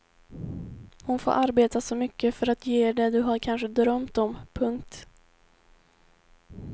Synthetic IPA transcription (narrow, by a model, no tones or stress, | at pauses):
hʊnfo̰ːʔaɾbeːt̪asɔmʏkːəfœɾat̪jeːɖ̪ɛd̪ɵɦaɾkʰanɧəd̪ɾœmt̪ɔmpʰɵŋk̚t̪